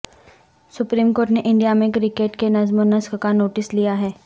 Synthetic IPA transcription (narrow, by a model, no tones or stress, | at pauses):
sʊpɾiːmkoːɾʈneʔɪ̃ɳɖijamẽkɾɪkeːʈkenɐzmʊnɐskkanoːʈɪslijaɦɛː